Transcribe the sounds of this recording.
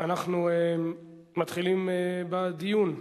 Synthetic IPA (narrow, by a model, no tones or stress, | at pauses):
anaχnueː | at̪χilimebad̪ijun